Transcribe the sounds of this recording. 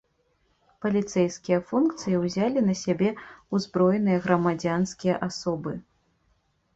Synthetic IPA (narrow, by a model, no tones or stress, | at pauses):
pɐlʲit̪sɛjskʲijɐfunkt̪sɨjiwzʲalʲinɐsʲabʲɛuzbɾɔjnɨjɐɣɾɐmad͡zʲanskʲijɐ̰ʔasɔbɨ